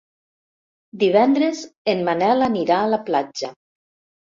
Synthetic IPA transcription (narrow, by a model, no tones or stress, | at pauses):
d̪iβ̞ɛnd̪ɾezenmanɛlaniɾaːlaplad͡ʒa